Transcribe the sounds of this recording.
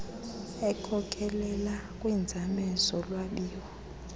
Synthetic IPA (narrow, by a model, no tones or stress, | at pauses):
ɛkʰɔkʰɛlɛlakʼwind͡zʱamɛzɔlwaɓiːwɔ